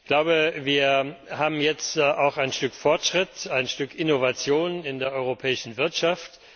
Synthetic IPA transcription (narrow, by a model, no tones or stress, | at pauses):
ɡ̥laʊbəviːɐhaːbm̩jɛt͡stʔaʊxaɪnʃtʏkfɔɐtʃʁ̥ɪtaɪnʃtʏkʰɪnovat͡sjoːnɪndeːɐʔɔʏʁopʰɛːɪʃn̩vɪɐtʃaft